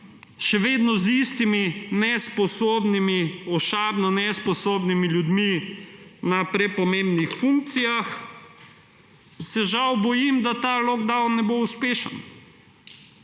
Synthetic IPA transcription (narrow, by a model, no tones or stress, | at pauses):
ʃɛʋeːd̪nɔzist̪iminɛspɔsoːbnimiɔʃaːbnɔnɛspɔsoːbnimiljud̪mi | napɾɛpɔmẽmbnixfuŋk̚t̪sijax | sɛʒawbɔjimd̪at̪aːloɡd̪awnːɛbouspeːʃə̰n